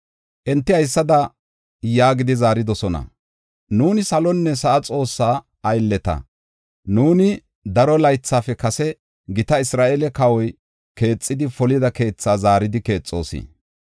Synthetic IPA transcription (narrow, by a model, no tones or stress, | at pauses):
ʔɛnt̪ːɪɐjsːɐd̪ɐ | jaːɡɪd̪ɪzaːɾɪd̪ɔsɔnɐ̰ | nuːnɪsɐlɔnːɛsɐʔɐt͡sʼo̞ːsːaː | ɐjlːɛt̪ɐ̰ | nuːnɪ | d̪ɐɾɔlɐjt͡sːaːfɛkɐsɛ | ɡɪt̪ɐɪsɾaːʔɛlɛkɐwɔj | ke̞ːt͡sʼːɪd̪ɪfɔlɪd̪ɐke̞ːt͡sːaːzaːɾɪd̪ɪke̞ːt͡sʼːoːsḭː